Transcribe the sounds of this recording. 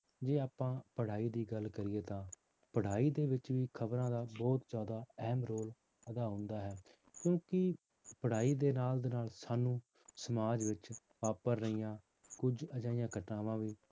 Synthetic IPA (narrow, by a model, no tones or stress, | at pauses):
d͡ʒeːaːpãːpəɽ̤aːiːd̪iːɡəlkəɾɪeːt̪ãː | pəɽ̤aːiːd̪eːʋɪt͡ʃʋiːkʰəbɾãːd̪aːbɔːt̪d͡ʒjaːd̪aːɛɦmɾoːl | əd̪aːɦʊ̃ːnd̪aːɦɛː | kjõːkɪ | pəɽ̤aːiːd̪eːnaːld̪eːnaːlsaːnũː | səmaːd͡ʒʋɪt͡ʃ | ʋaːpəɾːəiːjãː | kʊd͡ʒəd͡ʒaːɪjãːkəʈãːʋãːʋiː